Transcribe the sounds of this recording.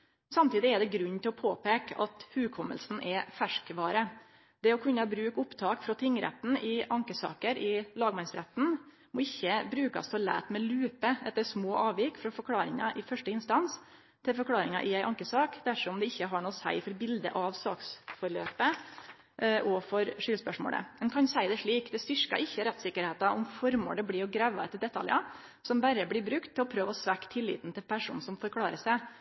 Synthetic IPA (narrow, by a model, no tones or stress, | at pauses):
sɑmt̪ʰiːd̪ɪɛd̪ɛɡɾʉnːt̪ʰɪlɔpʰoːpeːkʔɑt̪hʉːkʰɔmːəlsn̩ʔɛfæʂkʋɑːɾə | d̪̥ɛɔkʰʉnːɑbɾʉːkʊpt̪ʰɑːkfɾɔt̪ʰɪŋːɾɛ̰t̪ːn̩ɪʔɑŋkəsɑ̰ːkəɾʔɪlɑːɡmɑnsɾɛ̰t̪ːn̩ | mɔɪçːəbɾʉːkɑ̰st̪ʰoːlæ̰ːt̪mɛlʉːpəɛt̪ːəʂmoːʔɑːʋjɪkfɾɔfɔɾkʰlɑːɾɪŋɑ̰ʔɪfœʂʈəɪnst̪ɑns | t̪ʰɪlfɔɾkʰlɑːɾɪŋɑ̰ʔɪæɪʔɑŋkəsɑːkd̪æʂɔɔmd̪ɛɪçːəɦɑɳuːsæ̰ɪfɔɾbɪld̪ə̰ʔɑʋsɑ̰ːksfɔɾɭøːpə | ʔʔɔfɔɾʂʏlspœʂmo̰ːlə̰mɛnkʰɑnsæɪd̪ɛʂɭiːkd̪ɛst̪ʏɾkɑ̰ʔɪçːəɾɛt̪sɪkːəɾheːt̪ɑʔɔmfɔɾmo̰ːd̪əbliːɔɡɾæʋːɑɛt̪ːəɖɛt̪ʰːɑ̰ljɑ̰ | sɔmbæɾəblɪbɾʉkt̪ʰːɪlɔpʰɾøːʋəɔsʋækːt̪ʰɪlːḭːt̪nt̪ɪlpʰæʂṵːnsɔmfɔɾkʰlɑːɾəsæɪ